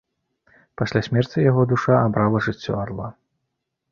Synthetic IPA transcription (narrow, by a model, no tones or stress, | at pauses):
pasʲlʲasʲmʲɛrt͡sʲijaɣɔd̪uʂaabɾalˠɐʐɨt͡sʲːɔ̰arlˠa